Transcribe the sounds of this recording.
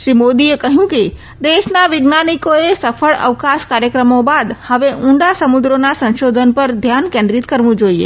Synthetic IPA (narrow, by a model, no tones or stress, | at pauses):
ʃɾimod̪iekəɦjũke | d̪eʃnaʋɪɡnanikoesəfʰəɭə̰ʋkaʃkaɾjəkɾəmobad̪həʋeʔʊ̃ɳɖasəmud̪ɾonasə̃nʃod̪ʱənpəɾd̪ʱjankẽnd̪ɾit̪kəɾʋũd͡ʒoiḛ